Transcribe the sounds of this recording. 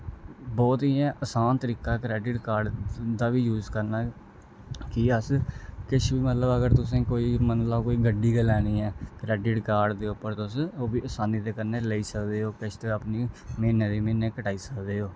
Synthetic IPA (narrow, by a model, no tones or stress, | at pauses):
bɔːt̪iːãːʔəsaːnt̪əɾiːkaːkɾɛːɖɪʈkaːɾɖd̪aːʋiːjuːzkəɾnaː | kiəskɪt͡ʃʰbiːmət̪ləbəɡəɾt̪ʊs̬ẽːkoːiːmənlaːkoːiːɡəɖiːɡəlɛːniːɛːkɾɛːɖɪʈkaːɾɖd̪eːʊpːəɾt̪ʊsoːbiːəsaːniːd̪eːkəɾneːleiːsəkd̪eːɦoːkɪt͡ʃʰt̪eːəpniːmeːneːd̪iːmẽːneːkəʈaːiːsəkd̪eːɦoː